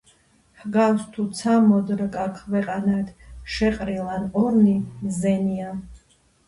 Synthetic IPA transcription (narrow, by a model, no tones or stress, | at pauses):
hɡawst̪ʰut̪sʰamɔd̪ɾkʼakʰwɛqʼanad̪ʃɛqʼɾilˠanɔɾnimzɛnia